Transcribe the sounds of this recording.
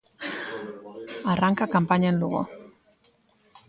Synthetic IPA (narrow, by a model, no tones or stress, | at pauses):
araŋkakampaɲanluɣo̰